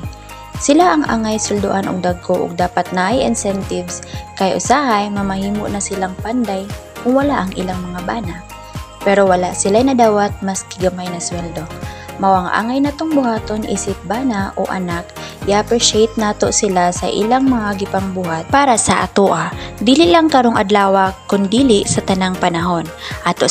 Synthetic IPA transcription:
sɪlaʔɐŋʔa̰ːŋajsɛld̪o̰ʔanʔo̰ɡ̚d̪aɡkːoʔːɡ̚d̪aːpɐt̪̚naʔajʔɪ̰nsɛnt̪ɪvskɐjʔʊsaːhajmɐmɐhiːmoʔnɐsɪlaŋpand̪aj | kʊŋwɐlaʔɐŋʔɪlaŋmɐŋabaːna | pɛɾo̞wɐlaʔsɪlajnɐd̪aːwɐt̪̚mɐskɪɡɐmajnɐswɛld̪o̞mɐwaŋʔa̰ːŋɐjnɐt̪oŋbʊhaːt̪o̞nʔḭːsɪp̚baːnaʔo̰ʔɐ̰nakʔɪʔapɾɪʃejt̪̚naːt̪o̞ʔsɪlasɐ̰ʔɪ̰laŋmɐŋaɡɪpaŋbuːhat̪̚paːɾɐsɐʔɐt̪oʔad̪iːlɪʔlaŋkɐɾoŋʔɐd̪laːwɐkʊnd̪iːlɪʔsɐt̪ɐnaŋpɐnɐɦo̞nʔat̪o

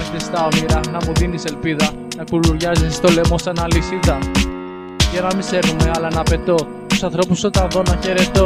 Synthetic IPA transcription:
d̪est̪ɐomiɾɐnɐmuðinise̞lpiðɐ | nɐkuluɾʝɐzisst̪o̞le̞mosɐnɐlisit̪ɐ | ʝɐnɐmise̞ɾnume̞ɐlɐnɐpe̞t̪o̞ | t̪usɐnθɾo̞pusot̪ɐnðo̞nɐçe̞ɾe̞t̪o̞

